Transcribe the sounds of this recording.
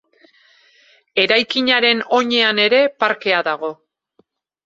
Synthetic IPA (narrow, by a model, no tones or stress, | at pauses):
e̞ɾajkiɲaɾe̞no̞ɲe̞ane̞ɾe̞paɾke̞aðaɣ̞o̞